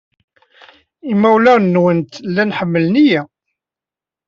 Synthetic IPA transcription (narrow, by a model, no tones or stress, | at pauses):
imːæwlænːwənt̪lːænħəmːəlnijæ